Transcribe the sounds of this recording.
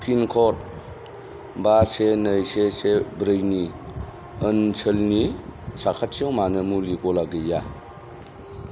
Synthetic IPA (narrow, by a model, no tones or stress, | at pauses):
kʰinkʰɔt̚ | basenəjsesebɾɯjni | ənsʰəlnisakʰat̚ʰiowmanɯmulikɔlaɡɯja